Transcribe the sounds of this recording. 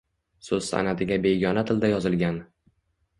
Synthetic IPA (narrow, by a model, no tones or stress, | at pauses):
sɵz̥sa̰nat̪ʰɪɡʲabe̞ɡʲɒnat̪ʰɪld̪ajɒzɪlɡʲan